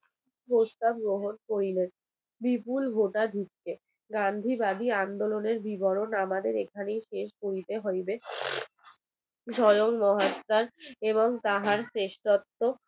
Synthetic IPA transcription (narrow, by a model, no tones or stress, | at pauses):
post̪ab̚ɡɾoɦonkoɾilen | bipulbʱoʈad̪ʱik̚ke | ɡand̪ʱibad̪ʱiand̪oloneɾbʱibɔɾonamad̪eɾekʰanejʃeʃkoɾit̪eɦɔjbe | ʃɔjoŋmɔɦat̪ːaɾeβoŋt̪aɦaɾseʃt̪ɔt̪ːo